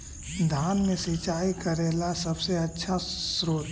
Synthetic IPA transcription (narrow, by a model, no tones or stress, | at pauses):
d̪ʱaːnmẽsiːt͡ʃaːikɐɾeːlasɐbseɐtːʃʰasɾoːt̪